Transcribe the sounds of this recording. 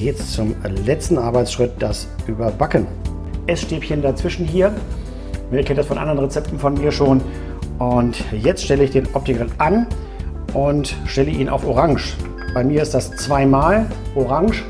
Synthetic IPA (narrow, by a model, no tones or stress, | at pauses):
ɛt͡st͡sʊmlɛt͡stn̩ʔaɐbaɪt͡sʃʁ̥ɪt̚d̥as | ʔyːbɐbakən | ʔɛsʃteːpçəndat͡sv̥ɪʃn̩ɦiːɐ | nɛçkʰɛnədasfɔnʔa̰ndəʁənʁet͡sɛp̚tn̩fɔnmiːɐʃoːn | ʔʊntjɛt͡stʃtɛləɪçd̥eːnʔɔp̚tɪkəʁɪnʔan | ʔʊntʃtɛləʔiːnʔa̰ʊfoʁaŋʃ | b̥aɪmiːɐɪstd̥ast͡sv̥aɪmaːlʔoʁaŋʃ